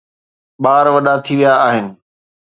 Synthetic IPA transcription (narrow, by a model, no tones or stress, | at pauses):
ɓaːɾʋɐɗat̪ʰiʋijaːɦɪnɪ̆